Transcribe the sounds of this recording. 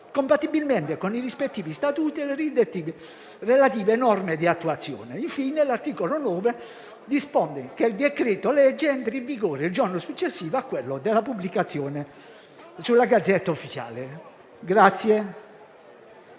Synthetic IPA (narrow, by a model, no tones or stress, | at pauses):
kompat̪ːibilment̪ekonirispet̪ːiːvist̪at̪uːt̪ileɾizd̪et̪ːiːve | relat̪iːveːnɔrmed̪iat̪ːuat̪sːjɔ̰ːneiɱfiːnelart̪iːkolonɔːve | d̪ispɔnd̪ekeild̪ekɾet̪olɛd͡ʒːeɛnt̪ɾiɱviɡoːɾeild͡ʒɔrnosut͡ʃːesːiːvoakːwelːod̪elapublikat̪sːjɔːne | sulːaɡad̪zːɛt̪ːaufːit͡ʃa̰ːle | ɡɾat̪sːje